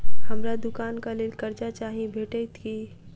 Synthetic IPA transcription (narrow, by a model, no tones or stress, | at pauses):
hɐmɾad̪ʊkaːnkalekɐɾt͡ʃat͡ʃaːɦiẽbʱeːʈeɪt̪ʰki